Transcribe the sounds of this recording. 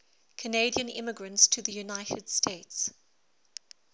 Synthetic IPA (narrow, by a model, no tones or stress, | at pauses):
kʰəneɪdiə̃nɪ̰məɡɹə̃ntstʰəðəjunaɪtʰəd̥stʰeɪts